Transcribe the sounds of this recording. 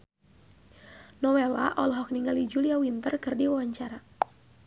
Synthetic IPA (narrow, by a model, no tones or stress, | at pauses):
nɔwela̰ʔɔlɦɔk̚niŋɡalid͡ʒuliawint̪ərkɨrdiwawaɲt͡ʃaɾa